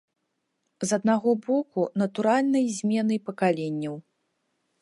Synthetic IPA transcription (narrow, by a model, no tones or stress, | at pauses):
zɐd̪̚naɣɔbɔkunɐt̪uɾalʲnɐjzʲmʲɛnɨjpɐkalʲenʲːɐw